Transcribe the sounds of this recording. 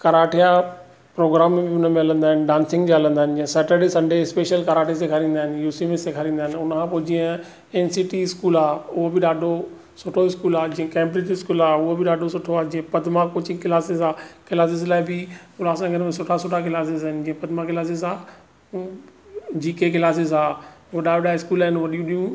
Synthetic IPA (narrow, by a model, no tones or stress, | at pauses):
kɐɾaːʈʰija | pɾoːɡɾaːmːẽbɪʊnəmẽɐlə̃nd̪aːɦɪnɪɖãːnsɪ̃ŋɡd͡ʑeɐlə̃nd̪aːɪnɪd͡ʑĩə̃sɛːʈəɾɖisɐ̃ɳɖʱeɪspeːʃəlkɐɾaːʈʰisekʰɐɾĩːnd̪aːɪnɪ̆juːsimesekʰɐɾĩːnd̪aːɪnɪʊnəkʰãpoːd͡ʑĩːə̃ | eːnsiːʈiɪskuːlaːʊɦobɪɗaːɖʱo | sʊʈʰoɪskuːlaːd͡ʑĩːə̃kẽːmpɾiʈɪskuːlaːʊɦobɪɗaːɖʱosʊʈʰoaːd͡ʑĩːə̃pɐd̪ʱmãkoːt͡ɕĩkɪlaːsɪzaːkɪlaːs̬ɪzlaːibɪkʊlaːsãɡʱəɾmẽsʊʈʰasʊʈʰak̬ɪlaːs̬ɪz̬aɦɪnd͡ʑĩːə̃pɐd̪ʱmãkɪlaːs̬ɪzaː | d͡ʑiːkekɪlaːs̬ɪzaːʊoɗaːɗaːɪskuːlaɦɪnʋɐɗijũɗijũ